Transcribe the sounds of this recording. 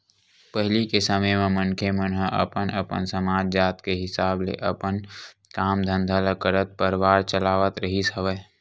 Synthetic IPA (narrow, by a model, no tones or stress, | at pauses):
pəɦlikesəməjmẽmənkʰemənɦəʔə̰pənəpə̰nsəmaːd͡ʒd͡ʒaːt̪keɦɪsaːblḛʔəpən | kaːmd̪ʱə̃nd̪ʱaləkəɾət̪̚pəɾʋaːɾt͡ʃəlaːʋət̪ɾəɦisəʋə